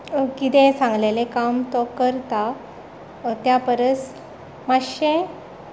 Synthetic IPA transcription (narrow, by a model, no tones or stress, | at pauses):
kit̪ɛ̃sãŋɡlelekamt̪ɔkəɾt̪a | t̪japəɾəs | maɕẽ